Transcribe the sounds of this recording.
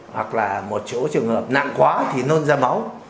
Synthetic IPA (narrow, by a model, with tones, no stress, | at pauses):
hwa̰˨˩k̚laː˨˩mo˨˩t̚so˨˦t͡ɕɨ˨˩əŋhəː˨˩p̚na̰ː˧˨ŋkwaː˨˦t̪ʰi˨˩no˧nzaː˧ma˨˦w